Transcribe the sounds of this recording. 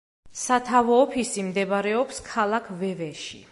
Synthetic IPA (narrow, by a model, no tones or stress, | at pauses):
sat̪ʰavɔːpʰisimd̪ɛbaɾɛɔpskʰalˠakʰvɛvɛʃḭ